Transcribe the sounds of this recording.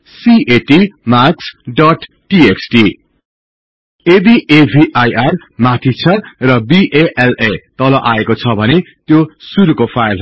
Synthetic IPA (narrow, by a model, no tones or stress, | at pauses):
sieʈimaksɖʌʈ | ʈieksʈi | ed̪iʔebʱiʔajar | mat̪ʰit͡sʰʌrʌbiʔeʔelet̪ʌlʌʔaekot͡sʰʌbʱʌnet̪josuɾukopʰajlɦ